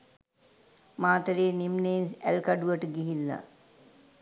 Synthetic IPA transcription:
maːt̪əɾeːnimnensælkaɖuʋəʈəɡiɦilːa̰

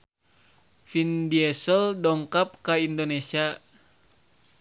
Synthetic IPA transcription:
findiɛsəldɔŋkap̚kaindonesia

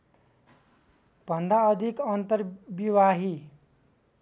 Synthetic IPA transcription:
pʌnd̪ʱaʌd̪ʱikʌnt̪əɾbiʋaɦi

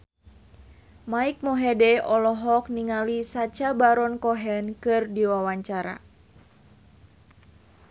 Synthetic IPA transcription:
maik̚mɔɦɛdɛɔlɔɦɔk̚niŋalisat͡ʃabaɾɔnkɔɦɛnkɨrdiwawaɲt͡ʃaɾa̰

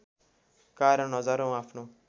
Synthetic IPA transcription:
kaɾʌnɦʌd͡zaɾow̃apʰno

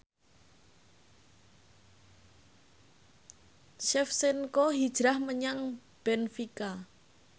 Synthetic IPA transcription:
ʃɛfsɪnkoɦid̥ʒ̥ɾahməɲaŋ | b̥ɛnfika

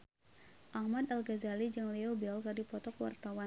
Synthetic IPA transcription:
ʔahmad̪alɡazalid͡ʒɨŋliobɛlkadipɔt̪ɔkwa̰rt̪awa

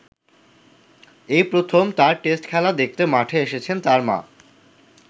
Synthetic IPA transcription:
ejpɾot̪ʰomt̪aɾʈesʈkʰɛlad̪ek̚t̪emaʈʰeeʃet͡ɕʰent̪aɾma̰

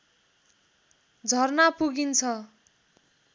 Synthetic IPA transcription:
d͡zʱʌrnapuɡint͡sʰʌ

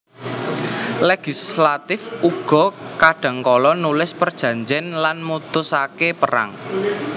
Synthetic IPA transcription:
leɡ̥islat̪ɪfuɡ̥ɔ̤kaɖ̥a̤ŋkɔlɔnulɪspərd̥ʒ̥ä̤ɲd͡ʒɪnlanmut̪ʊsakepəɾa̰ŋ

